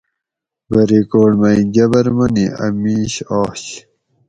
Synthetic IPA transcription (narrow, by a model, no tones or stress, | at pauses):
bɐɾikoːɽmɐiɡɐbɐɾmɐniɐ̰miːɕɔːɕ